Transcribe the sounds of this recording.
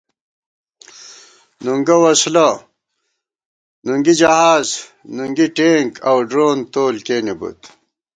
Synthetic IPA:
nuŋɡɐwɐslɐ | nuŋɡid͡ʑɐhaːznuŋɡiʈeːŋkɐwɖɾoːnt̪oːlkeːnibṵt̪

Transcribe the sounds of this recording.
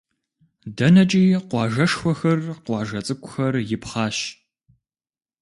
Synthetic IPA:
dɐnɐt͡ʃʼiːqʷɑːʒɐʂxʷɔxɐrqʷɑːʒɐt͡sʼɨkʷʼʊxɐrjɪpχɑːɕ

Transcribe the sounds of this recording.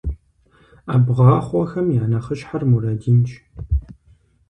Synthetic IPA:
aːbʁɑːχʷɔxɐmjaːnɐχəɕħarmuɾɐdint͡ʃʼ

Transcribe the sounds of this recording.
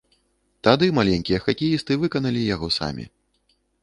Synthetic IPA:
t̪ad̪ɨmalʲɛnʲkʲijɐxakʲijist̪ɨvɨkɐn̪ɐlʲijaɣɔsa̰mʲḭ

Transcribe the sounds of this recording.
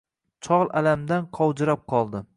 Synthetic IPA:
t͡ʃʰɒʁlˠalamd̪anqʰɒwd͡ʒɪɾap̚qʰɒlˠd̪ɪ

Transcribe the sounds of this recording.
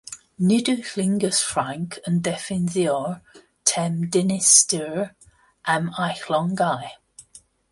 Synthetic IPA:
nidʉxlɪ̃ŋɡəsfɹãŋkʰəndɛfɪnziɔɹ | tʰɛmdɪnɪstəɹ | ʔamajxlɔ̃ŋɡaj

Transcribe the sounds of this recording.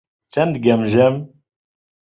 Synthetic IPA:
t͡sːænd̪ɡæmʒæm

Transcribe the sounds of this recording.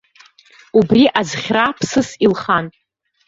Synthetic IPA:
ubriʔazχʲrapʰsɨsilχan

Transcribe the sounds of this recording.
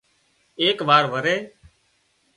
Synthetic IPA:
eːkʋaːɾʋəɾeː

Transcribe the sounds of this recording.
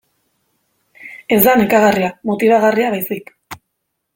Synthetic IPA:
e̞zd̪anekaɣariamo̞t̪iβ̞aɣariaβajsik

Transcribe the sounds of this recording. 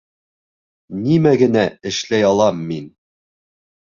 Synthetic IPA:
nimæɡɘ̆næɘ̆ʃlæjɑlˠɑmːin

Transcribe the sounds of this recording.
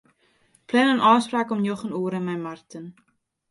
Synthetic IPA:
plɛnənʔɑːspraːkɔmnjɔχənuəɾənmɛjmartən

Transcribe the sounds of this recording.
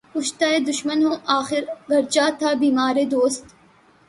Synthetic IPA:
ʊʃt̪aːed̪ʊʃmənɦoːʔaːxɪɾɡɐɾd͡ʒaːt̪ʰaːbiːmaːɾed̪oːst̪

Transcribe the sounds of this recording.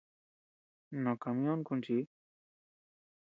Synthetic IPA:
nɔkamijɔːnkunt͡ʃi

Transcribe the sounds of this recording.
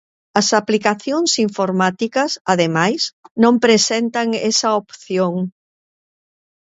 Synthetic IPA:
ɐsaplikaθjoŋsiɱfoɾmat̪ikɐsaðemajsnõmpɾesɛnt̪ɐŋesɐopθjoŋ

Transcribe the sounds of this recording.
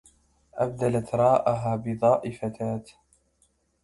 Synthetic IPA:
ʔa̰b̚d̪alat̪ɾˤɑːʔaɦaːbɪd̪ˤɑːʔɪfat̪aːt̪

